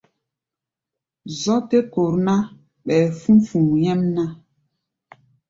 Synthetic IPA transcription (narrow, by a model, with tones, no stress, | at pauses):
zɔ˦te˦ko˨ɾna˦ | ɓɛ˨fũ˦fũ˨jɛ˦mna˦